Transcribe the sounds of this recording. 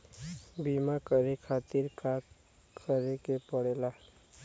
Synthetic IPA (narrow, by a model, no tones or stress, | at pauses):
bimakəɾekʰat̪iɾka | kʰəɾekepəɽela